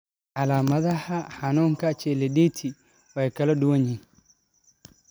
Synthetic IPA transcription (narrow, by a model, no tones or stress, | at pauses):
ʔalamaðahahanɔŋkat͡ʃɛleditʰi | wajkaladuwoɲi